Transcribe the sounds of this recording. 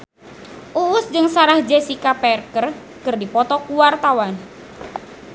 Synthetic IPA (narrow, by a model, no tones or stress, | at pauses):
ʔuʊsd͡ʒɨŋsaɾahd͡ʒɛsikapɛrkər | kɨrdipɔt̪ɔkuwart̪awan